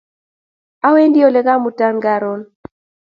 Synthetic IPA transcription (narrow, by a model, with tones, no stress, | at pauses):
a˦we˦ndi˦o˦lɛ˦ka˦mu˨ta˦nɡa˨ɾo˦n